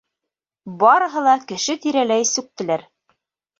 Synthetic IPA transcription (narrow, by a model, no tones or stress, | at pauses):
bɑɾɤ̆ɦɤ̆lˠɑkɘ̆ʃɘt̪iɾælæjsʉk̚t̪ɘ̆læɾ